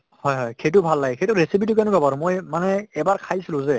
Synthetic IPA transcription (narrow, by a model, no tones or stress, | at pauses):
hɔjɦɔjxejt̬ʊbʱalːaɡɛxejtʊɹesipʰitukɛnʊbʱabaɹʊ̃mojmanɛɛbaɹkʰajsilʊ̃zɛ